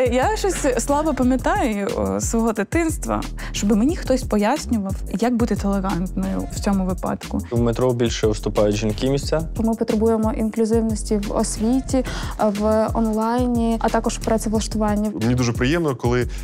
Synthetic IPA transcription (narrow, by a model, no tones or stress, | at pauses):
jaʃɔsʲslˠɑbɔpɐmʲjɐt̪ɑjʊsʋɔɦɔd̪ɪt̪ɪnst̪ʋɐ̰ | t͡ʃɔbɪmenʲixt̪ɔsʲpɔjasʲnʲʊʋɐwjɐk̚but̪ɪt̪ɛlˠeɣɑnt̪nɔjʊ̰w̥t͡sʲɔmʊʋɪpɑ̰t̪kʊʋmet̪ɾɔbʲilʲʃɛʋɪst̪ʊpɑjʊtʲʒinkɪmʲisʲt͡sʲaɔmɪpɔt̪ɾebujemɔʔinklʲʊzɪwnɔsʲtʲiʋɔ̰sʲʋʲitʲiʋɔnlˠɑjnʲiɐt̪ɑkɔʒpɾɛsʲɛʋlˠɐʃt̪ʊʋɑnʲːɐmenʲid̪uʒɛpɾɪjɛmnkɔlˠɪ